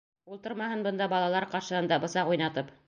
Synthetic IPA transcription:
ulˠt̪ɤɾmɑɦɤnbɤ̆nd̪ɑbɑlˠɑlˠɑɾqɑɾʃɤ̆hɤnd̪ɑbɤ̆sɑqujnɑt̪ɤp

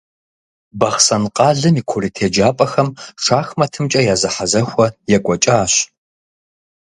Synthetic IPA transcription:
bɐχsɐnqʼɑːɮɨmiːkʷʰʊriːtʰeːd͡ʒaːpʼɐxɐmʈ͡ʂʰaːxmɐtʰɨmt͡ʃʼɐjaːzɐħazɐxʷɐjɛkʷʼɔt͡ʃʼaːɕ

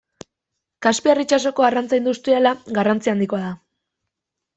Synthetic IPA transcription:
kaspiarit͡ʃaso̞ko̞arant͡sajnd̪ust̪ielaɡarant͡siand̪ikoaða

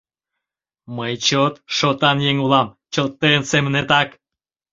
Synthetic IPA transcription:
məjt͡ɕot̪ʃot̪ɑnjeŋulɑmt͡ɕot̪ːensemənet̪ɑk

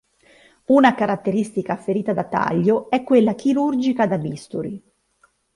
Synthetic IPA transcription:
unakaɾat̪ːeɾist̪ikafːeɾiːt̪ad̪at̪ːa̰ʎːoɛkːwelːak̟iɾurd͡ʒikad̪abist̪uɾi

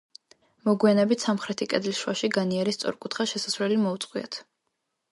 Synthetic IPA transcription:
mɔɡianɛbit̪samχɾɛt̪ʰikʼɛd̪liʃwaʃiɡaniɛɾist̪sʼɔ̰ɾkʼut̪ʰχaʃɛsasvɾɛlimɔut̪sʼqʼwia̰t̪ʰ

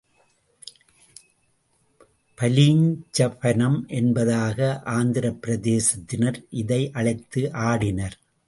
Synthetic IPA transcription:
pɐliŋt͡ʃɐpɐnɐmʔɛnbɐðaːɣɐʔaːnd̪ɪɾɐpːɪɾɐðeːsɐt̪ːɪnɐɾʔɪðɐɪʔɐɭɐɪt̪ːɯʔaːɽɪnɐɾ

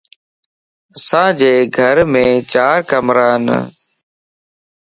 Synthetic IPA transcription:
sãːd͡ʒeːɡʱəɾmẽːt͡ʃaːɾkəmɾaːn̰

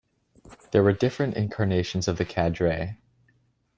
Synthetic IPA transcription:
ðə˞wə˞dɪfɹɨ̃ntɪ̰̃nkʰɑɹneɪʃn̩zʌvðɨkʰædɹeɪ

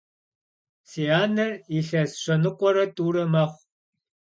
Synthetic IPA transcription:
seaːnɐriɬɐsɕɐnɨqʷɔɾɐtʼuːɾɐmaːχʷ

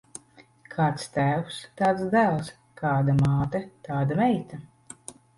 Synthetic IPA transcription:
kʰaːt̪st̪æːwst̪aːt̪sd̪ælˠs | kaːd̪amaːt̪ɛt̪aːd̪amɛjt̪a

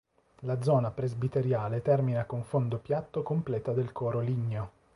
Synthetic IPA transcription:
lad̪zɔːnapɾezbit̪eɾjaːlet̪ɛrminakoɱfond̪opjat̪ːokomplɛːt̪ad̪elkʰɔːɾoliɲːo

